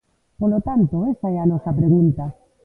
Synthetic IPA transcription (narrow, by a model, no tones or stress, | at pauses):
polot̪ant̪oesaeanɔsapɾeɣunt̪a